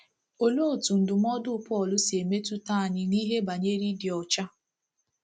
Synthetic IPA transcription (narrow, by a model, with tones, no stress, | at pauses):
o˨lo˦˨tu˨n̩˨dʊ˨m˦ɔ˦dʊ˦pɔ˦˨lʊ˦si˨e˨me˦tu˦ta˦˨ɲɪ˦ni˦ɦe˦ba˨ɲe˦ɾi˦di˨ɔ˨t͡ʃa˦